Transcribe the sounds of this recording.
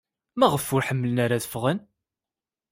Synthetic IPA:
mæʁəfːʊɾħəmːələnaɾaðəfʁən

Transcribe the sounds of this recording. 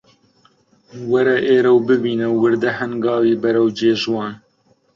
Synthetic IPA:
wɐɾɛʔeːɾɛwbɨbiːnɛːɨɾd̪ɛhɛnɡɑːwiːbɛɾɛwd͡ʒeːʒwɑːn

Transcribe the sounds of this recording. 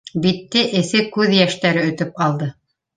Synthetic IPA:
bit̪ːɘʔɘ̆θɘkʉðjæʃt̪æɾɘɵ̆t̪ɵp̚ɑlˠd̪ɤ

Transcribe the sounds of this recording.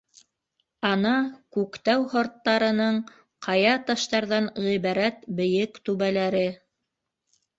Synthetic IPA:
ɑnɑkʉkt̪æwhŏɾt̪ːɑɾɤ̆nɤɴ | qʰɑjɑt̪ɑʃt̪ɑɾðɑnʁiβɑɾæt̪bɘ̆jɘkt̪ʉβælæɾɘ

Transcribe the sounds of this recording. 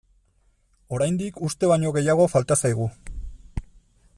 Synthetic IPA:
o̞ɾajnd̪ikust̪e̞β̞aɲo̞ɣe̞jaɣ̞o̞falt̪asajɣu

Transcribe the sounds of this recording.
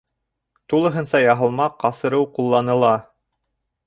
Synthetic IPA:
t̪ulˠɤ̆ɦɤ̆nsɑjɑɦɤ̆lˠmɑqɑsɤ̆ɾɤwqulˠːɑnɤ̆lˠɑ

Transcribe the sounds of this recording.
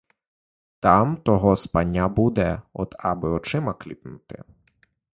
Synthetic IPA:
t̪ɑmt̪ɔɦɔspanʲːabud̪ɛɔ̰d̪ɑbɪɔt͡ʃɪmɐklʲḭpnut̪ɪ̰

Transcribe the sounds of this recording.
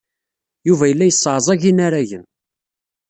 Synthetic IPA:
juvæjəlːæjəsˤːʕzˤɑʝinaɾaʝən

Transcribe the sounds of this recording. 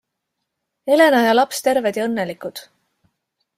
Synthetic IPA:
e̞le̞nɑjɑlɑpst̪e̞ɾved̪̥jɤnːe̞likˑud̪̥

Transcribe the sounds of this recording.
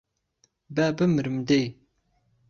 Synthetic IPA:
bæbɨmɨɾɨmd̪ej

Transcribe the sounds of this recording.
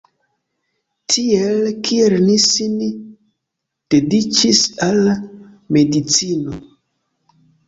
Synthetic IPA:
tʰielkʰielnisin | d̥edit͡ʃisal | me̞dit͡sino

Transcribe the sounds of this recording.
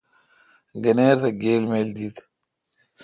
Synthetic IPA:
ɡɐneːɾt̪ʰɐɡeːlmeːld̪iːt̪

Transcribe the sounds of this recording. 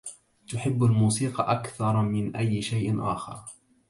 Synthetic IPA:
t̪ʊħɪbːalmuːsiːqɑʔakθɑɾˤmɪnʔajːɪʃajʔʔa̰ːxɑ̰ɾˤ

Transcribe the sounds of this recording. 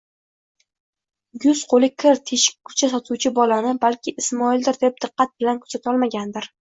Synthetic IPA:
jʊz̥qʰolɪkʲʰɪɾt̪ʰe̞ʃɪ̥k̚ʲkʰːʊ̥t͡ʃʰasɒt̪ʰuwt͡ʃʰɪbɒlanɪbalkʲɪʔɪsmɒɪld̪ɪɾd̪ep̚d̪ɨqːɑt̪̚bɪlankʰʊ̥sat̪ʰɒlˠmaɡʲand̪ɪɾ

